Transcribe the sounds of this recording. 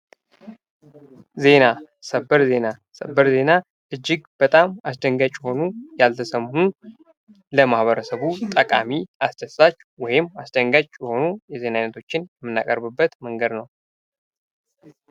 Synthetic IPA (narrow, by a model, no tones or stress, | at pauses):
ze̞na | səbəɾze̞na | səbəɾze̞na | ʔɨd͡ʒːɪɡb̥ət̪ʼamas̬d̪əŋɡat͡ʃʼːɛho̞nujalt̪ʰəsəmhu | ləmahβəɾəsəβut̪ʼəkʼa̰miasd̪əsat͡ʃːwɔjɪmasd̪əŋɡat͡ʃʼjɛho̞nujɛze̞najnət̪ʰo̞t͡ʃːɪnjɛmːɨnːa̰kʼəɾbɨbːət̪məŋɡəd̪nəw